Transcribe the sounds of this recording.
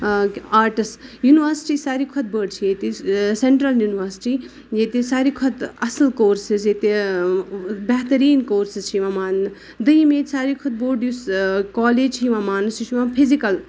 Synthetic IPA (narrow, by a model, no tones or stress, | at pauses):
aːɾʈisjuːniʋɐɾsi̥ʈiːsaːɾikʰɔt̪̚bəɽt͡ʃʰijet̪iseɳʈɾɐljuːniʋɐɾsi̥ʈi | jet̪isaːɾikʰɔt̪ɐsəlkoːɾsizet̪e | bɛɦt̪ɐɾiːnkoːɾsizt͡ʃʰiʋãmaːnnɨ | d̪əjimeːt̪saːɾikʰɔd̪̚boːɖjuskɔːleːd͡ʒt͡ʃʰiʋãːmaːnɨst͡ʃit͡ʃʰimãpʰizikɐl